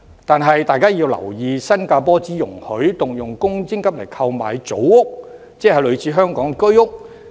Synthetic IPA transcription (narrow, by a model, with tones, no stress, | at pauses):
t̪aː˨nɦɐ˨jt̪aː˨˧jkaː˥jiː˧wlɐ̰˨˩wjiː˧sɐ˥nkaː˧pɔː˥t͡siː˨˥jʊ˨˩ŋhɵ˨˥ɥt̪ʊ˨ŋjʊ˨ŋkʊ˥ŋt͡sɪ˥ŋkɐ˥p̚le˨˩jkʰɐ˧wma̰ː˨˧jt͡so̰˨˥wʊ˥k̚ | t͡sɛː˥hɐ˨jlɵ˨˧ɥt͡sʰiː˨˥ɦœː˥ŋkɔː˨˥ŋkɵ˥ɥʊ˥k̚